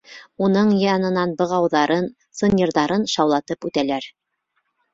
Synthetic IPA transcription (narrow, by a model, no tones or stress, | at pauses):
unɤɴjɑnɤ̆nɑnbɤ̆ʁɑwðɑɾɤn | sɤ̆nʲĭɾðɑɾɤnʃɑwlˠɑt̪ɤpʉt̪ælæɾ